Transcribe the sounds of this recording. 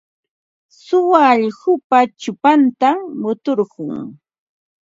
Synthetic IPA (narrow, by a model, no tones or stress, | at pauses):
sʊwaːʎhʊpat͡ʃʊpant̪amʊt̪oɾɢʊŋ